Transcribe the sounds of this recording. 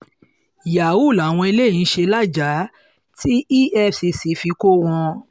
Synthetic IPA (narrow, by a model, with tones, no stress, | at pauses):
ja˨wu˦˨la˨w̃ɔ̃˧i˧le˦˨ĩ˨˦ʃe˧la˦˨d͡ʒa˨˦ | tʰi˦ʔi˦ʔɛ˦˨si˧si˨˦fi˧ko˦w̃ɔ̃˧